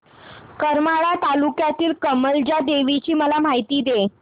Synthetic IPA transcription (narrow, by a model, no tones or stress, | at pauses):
kəɾmaɭat̪alukjat̪iːlkəməld͡ʑad̪eʋit͡ɕiːməlam̤aɦit̪iːd̪e